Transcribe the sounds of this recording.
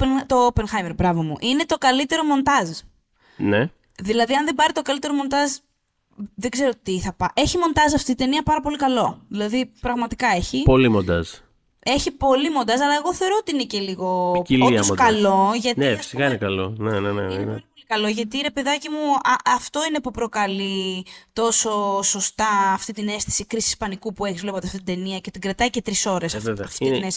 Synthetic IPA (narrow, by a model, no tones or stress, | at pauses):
t̪o̞openxɐjmeɾbɾɐvo̞muʔine̞t̪o̞kɐlit̪e̞ɾo̞mo̞nt̪ɐz | ne | ðilɐðiɐnðe̞bɐɾit̪o̞kɐlit̪eɾo̞mo̞nt̪ɐz | ðeɡze̞ɾo̞t̪iθɐpɐʔe̞çimo̞nd̪ɐzɐft̪iit̪eniɐpɐɾɐpo̞likɐlo̞ðilɐðipɾɐɣmɐt̪ikɐe̞çipo̞limond̪ɐ̰z | e̞çipo̞limond̪ɐzɐlɐe̞ɣo̞θe̞o̞ɾo̞ot̪iinece̞liɣoiloskɐlo̞ʝɐt̪nefi̥sikɐinekɐlo̰nenenenneolikɐlo̞ʝɐt̪iɾe̞peðɐcimuɐɐft̪o̞ine̞pupɾo̞kɐlit̪o̞so̞so̞st̪ɐːft̪it̪ine̞st̪i̥sikɾisiːspɐnikupueçizvle̞pot̪iɐft̪it̪d̪eniɐce̞t̪iɡɾɐt̪ɐice̞t̪ɾiso̞ɾe̞sɐfeɐfiiines